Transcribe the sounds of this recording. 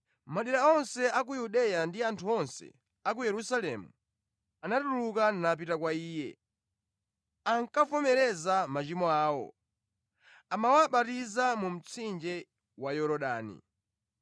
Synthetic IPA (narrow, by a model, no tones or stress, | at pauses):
maɗiɾaɔnsɛak̬ujuɗɛjandiantʰuɔnsɛ̰ | ak̬ujɛɾusalɛ̰mu | anatulukanap̬itakwaiːjɛ̰ | aŋkafɔmɛɾɛzamat͡ʃimɔaːwɔ̰ | amawaɓatizamum̩t͡sʰind͡ʒɛ | wajɔɾɔɗa̰ːnḭ